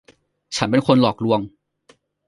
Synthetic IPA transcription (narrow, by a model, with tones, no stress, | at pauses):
t͡ɕʰa˦˥np̬e˧nkʰo˧nlɔː˨˩k̚ɾu˧əŋ